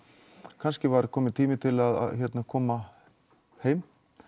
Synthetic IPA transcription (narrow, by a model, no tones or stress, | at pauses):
kʰanscɪvaɾkʰɔːmɪt̪ʰiːmɪt̪ʰɪlaða̰ðçɛt̪nakʰɔːma | heːjm